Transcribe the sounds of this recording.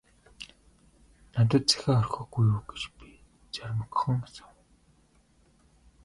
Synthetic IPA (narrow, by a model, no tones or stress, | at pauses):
nat̪ə̆t̪̚t͡sæ̥xʲaːɔrxɞ̆ɡujuːɡet͡ɕpi | t͡sarməkχɞ̆ŋsḁw